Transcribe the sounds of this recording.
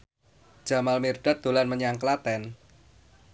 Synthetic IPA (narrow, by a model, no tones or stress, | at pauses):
d͡ʒ̥a̤malmirɖ̥at̪̚d̪̥o̤lanməɲaŋklat̪ɛn